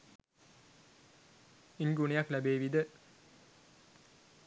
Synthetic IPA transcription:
iŋɡuɳejaklæbeːʋid̪ə

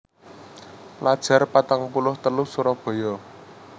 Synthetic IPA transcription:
lad̥ʒ̥a̤rpat̪aŋpulʊht̪əlʊhsuɾɔb̥ɔ̤jɔ

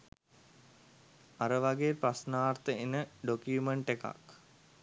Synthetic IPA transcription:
aɾəʋaɡeːprasnaːrt̪əenəɖokuumeɳʈeka̰k

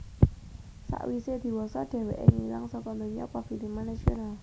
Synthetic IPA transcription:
sa̰ʔwised̪̥i̤wɔsɔɖ̥ɛ̤wɛʔḛŋilaŋsɔkɔməɲɔ̰pɔfilimanasional

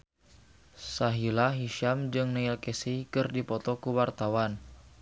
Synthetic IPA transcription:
saɦilaɦiʃamd͡ʒɨŋnailkesikɨrdipɔt̪ɔkuwart̪awan

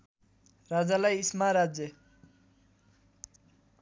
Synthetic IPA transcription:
ɾad͡zalajismaɾad͡ze

